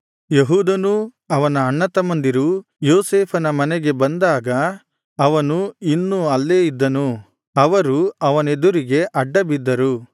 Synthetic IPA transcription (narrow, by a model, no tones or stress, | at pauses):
jeɦuːd̪ɐnu | ɐʋɐnɐːɳːɐt̪ɐmɐnd̪iɾu | joːseːpʰɐnɐmɐnɛɡe̞bɐnd̪aːɡɐ | ɐʋɐnuinːuɐlːe̞ːid̪ːɐnu | ɐʋɐɾuɐʋɐned̪uɾiɡe̞ʔɐɖːɐbid̪ːɐɾu